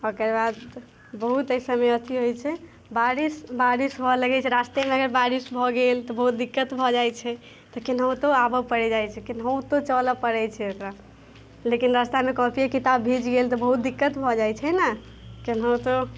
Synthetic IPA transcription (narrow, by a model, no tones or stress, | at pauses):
okeɾbad̪ | bəɦut̪əjsəməjət̪ʰiɦojt͡ʃʰɛ | baɾisbaɾisbʱɔləɡɛt͡ʃʰɛɾast̪emeəɡəɾbaɾisbʱɔɡelt̪ɔbəɦut̪̚d̪ikːət̪bʱɔd͡ʒajt͡ʃʰɛ | t̪ɔkinɦəw̃t̪oabəpəɽɛd͡ʒajt͡ʃʰɛkinɦəwt̪ot͡ʃələpəɽɛt͡ʃʰɛokɾa | lekinɾast̪amekɔpʰiekit̪abːʱid͡ʒɡelt̪ɔbəɦut̪̚d̪ikːət̪bʱɔd͡ʒajt͡ʃʰɛna | kinɦɔt̪ɔ